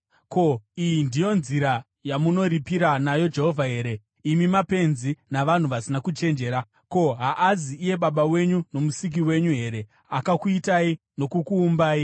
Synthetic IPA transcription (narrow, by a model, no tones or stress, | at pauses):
ko̞ijindijo̞nziɾa | jamuno̞ɾipiɾanajo̞d͡ʒe̞ɦo̞vʱaɦe̞ːɾe̞ | imimape̞nzinaʋan̤uʋasinakut͡ʃe̞nd͡ʒe̞ːɾa | ko̞ɦaʔaziːje̞ɓaɓawe̞ɲuno̞musik̬iwe̞ɲuɦe̞ɾe̞ | akakuitai | no̞kukuːmbaːi